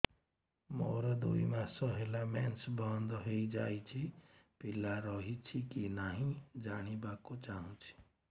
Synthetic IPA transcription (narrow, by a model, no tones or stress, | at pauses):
moɾad̪uimasəɦelamɛnsbənd̪ɦeid͡ʒa̰jt͡ʃʰipilaɾɔɦit͡ʃʰikinaɦĩd͡ʒaɽ̃ibakot͡ʃaɦũt͡ʃʰi̥